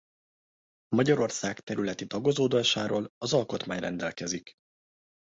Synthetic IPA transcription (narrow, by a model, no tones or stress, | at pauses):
mɒɟɒɾo̞rsaːkt̪ɛɾylɛt̪id̪ɒɡo̞zoːd̪ɛʃaːɾoːlɒzɒlko̞t̪maːɲrɛ̰nd̪ɛlkɛzik